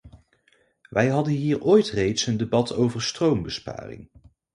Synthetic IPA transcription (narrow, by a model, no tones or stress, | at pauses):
ʋʔɛjɦɑdənɦiːɹoːjtrejtsəndebɑtʰowvəɹstrowmbəspa̰ːrɪ̰ŋ